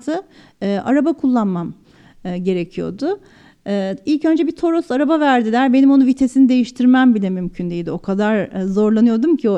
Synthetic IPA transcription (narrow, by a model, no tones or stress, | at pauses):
t̪ʰɯ | ɯːʔa̰ɾabakʰulˠːanmam | ɯɟe̞ɾecʰijo̞̰d̪ʊː | ilʲcø̞nd͡ʒɛbit̪ʰo̞ɾo̞saɾabavæɾd̪ilʲæɾbe̞nimo̞nuvit̪ʰe̞sinid̪e̞jiʃt̪ʰiɾmæmbilʲɛmymcʰynd̪ejid̪io̞kʰad̪aɾzo̞ɾlˠanɯjo̞d̪umcʰio